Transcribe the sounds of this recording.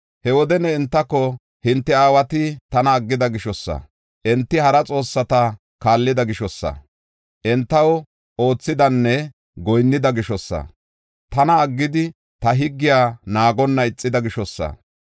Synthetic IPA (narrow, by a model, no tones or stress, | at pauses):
hɛwɔd̪ɛnɛɪnt̪ːɐkːɔ | hɪnt̪ːɛaːwɐt̪ɪt̪ɐnɐːɡːɪd̪ɐɡɪʃɔsːɐ̰ | ʔɛnt̪ːɪhɐɾɐt͡sʼo̞ːsːɐt̪ɐ | kaːlːɪd̪ɐɡɪʃɔsːɐ̰ | ʔɛnt̪ːɐw | o̞ːt͡sːɪd̪ɐnːɛ | ɡɔjnːɪd̪ɐɡɪʃɔsːɐ̰ | t̪ɐnɐːɡːɪd̪ɪ | t̪ɐɦɪɡːɪjaːnaːɡɔnːɐɪt͡sʼːɪd̪ɐɡɪʃɔsːɐ̰